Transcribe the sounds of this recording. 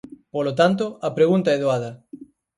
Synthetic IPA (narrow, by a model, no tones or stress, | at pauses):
polot̪ant̪̬oɐpɾeɣunt̪aɛðoaðɐ